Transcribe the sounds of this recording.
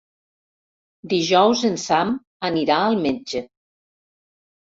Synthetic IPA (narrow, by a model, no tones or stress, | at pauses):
d̪iʒɔwzənsam | əniɾaəlˠmed͡ʒə